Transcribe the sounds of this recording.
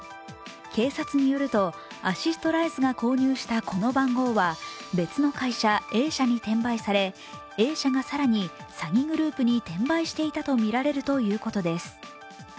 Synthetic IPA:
kʰe̞ːsat͡sɨɲ̟ijo̞ɾɯ̟t̪o̞ | aɕist̪o̞ɾaizɨɡako̞ːɲ̟ɨːɕi̥t̪akʰo̞no̞bãŋɡo̞ːβabe̞t͡sɨno̞kaiɕae̞ːɕaɲ̟it̪ẽ̞mbaisaɾe̞ | e̞ːɕaɡasaɾaɲ̟i | saɡʲĩŋɡɯ̟ɾɯ̟ːpɯ̟ɲ̟it̪ẽ̞mbaiɕi̥t̪e̞it̪at̪o̞mʲiɾaɾe̞ɾɯ̟t̪o̞jɯ̟ːko̞t̪o̞d̪e̞sɨ̥

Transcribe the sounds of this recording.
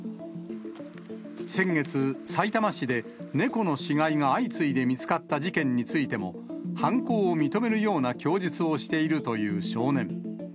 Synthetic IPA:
sẽ̞ŋɡe̞t͡sɨsait̪amaɕid̪e̞ne̞ko̞no̞ɕiɡaiŋaːit͡sɨid̪e̞mʲit͡sɨ̥kat̪ːaʑikẽ̞ɲ̟ːit͡sɨit̪e̞mo̞ | hãŋko̞ːomʲit̪o̞me̞ɾɯ̟jo̞ːnakʲo̞ːd͡ʑit͡sɨo̞ɕi̥t̪e̞iɾɯ̟t̪o̞jɯ̟ːɕo̞ːnẽ̞

